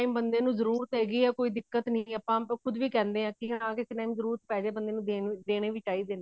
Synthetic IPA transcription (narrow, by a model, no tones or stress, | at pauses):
aːimbənd̪eːnũːzəɾuːɾt̪ɦɛːɡiːɛːkoːiːd̪ɪkːət̪niːəpãːkʰʊd̪ʋiːkɛ̃ːnd̪eːãːkɪɦənãːkɪsʈaːimzəɾuːɾt̪pɛːd͡ʒeːbənd̪eːnũːd̪eːd̪eːɽ̃eːʋɪt͡ʃaːiːd̪eːnː